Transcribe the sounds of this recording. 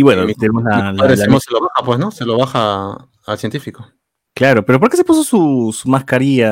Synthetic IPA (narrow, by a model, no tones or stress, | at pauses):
iβwenot̪enemoslaaɾelaseloβaxapwesnoseloβaxaː | lsjent̪ifiko | klaɾo̞pe̞ɾo̞p̬oɾkes̬epus̬osusumaskaɾia